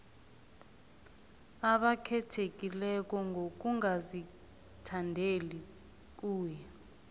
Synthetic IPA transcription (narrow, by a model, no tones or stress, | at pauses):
aɓakʰɛtʰek̬ʼilɛk̬ɔŋɡʱok̬uŋazi | tʰandʱeli | k̬uːjɛ